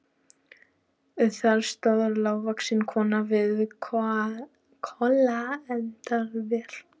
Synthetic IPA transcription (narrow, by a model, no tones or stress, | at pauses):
ʏθaɾst̪aðʏɾlawvaksɪnkʰɔːnavɪða | kʰɔlaɛnt̪aðvɛːl̥